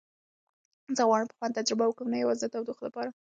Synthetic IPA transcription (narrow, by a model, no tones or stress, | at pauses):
zaɣwɑnpə̥xwɑnt̪ad͡ʒɾɪbawəkəmnajawɑzd̪ət̪awd̪uxlapɑɾa